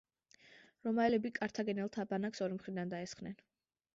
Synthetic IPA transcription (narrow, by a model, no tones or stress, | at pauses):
ɾɔmaɛlɛbikʼaɾt̪ʰaɡɛnɛlˠt̪ʰabanaksɔɾimχɾid̪and̪aɛsχnɛn